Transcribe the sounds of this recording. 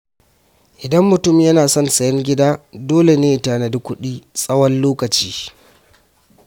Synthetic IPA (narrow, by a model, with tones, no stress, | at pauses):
ʔɪ˨dɐ˦mːʊ˨tʊ˦mjɐ˦naː˨sɔ˦nsɐ˨jɐ˦ŋɡʲɪ˦daː˦doː˦le˨neː˦˨taː˨na˨dʊ˦kʷʊ˦ɗiː˦sʼɐ˦wɐ˦nloː˦kɐ˨t͡ʃiː˦